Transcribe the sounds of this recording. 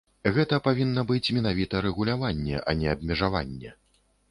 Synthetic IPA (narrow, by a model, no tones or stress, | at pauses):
ɣɛt̪ɐpavʲinːɐbɨt͡sʲmʲɛnavʲit̪ɐɾɛɣulʲavanʲːɛ̰ʔɐ̰nʲɛɐbmʲɛʐava̰nʲːɛ